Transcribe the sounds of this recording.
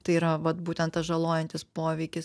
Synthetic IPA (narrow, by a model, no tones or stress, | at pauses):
t̪ɐɪiɾɐʋɐt̪buːt̪ʲɛnt̪t̪ɐsʒɐlˠoːjɛnʲt̪ʲɪspoːʋʲɛɪkʲɪs